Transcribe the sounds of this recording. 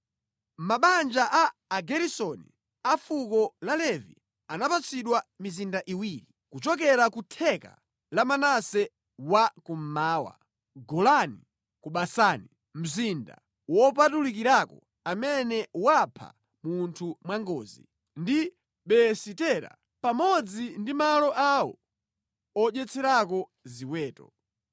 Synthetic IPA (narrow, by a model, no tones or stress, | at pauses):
maɓand͡ʒaʔaːɡɛɾisɔnḭ | afukɔlalɛvḭ | anapat͡sʰiɗwamizindaʔiwiːɾi | kut͡ʃɔk̬ɛɾakutʰɛka̰ | lamanasɛ | wakum̩maːwa̰ | ɡɔlani | kuɓasaːni | m̩zinda̰ | wɔp̬atulikiɾakɔ | amɛnɛwapʰa̰ | muntʰumwaŋɡɔːzḭ | ndi | ɓɛsitɛɾa̰ | pamɔd͡zindimalɔʔawɔ̰ | ɔʄɛt͡sʰɛɾakɔziwɛːtɔ